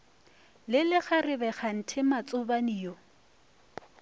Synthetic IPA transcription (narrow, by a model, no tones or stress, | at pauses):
lɪlɪχarɪbɛχan̩tʰɪmat͡sʼʊbaniːjɔ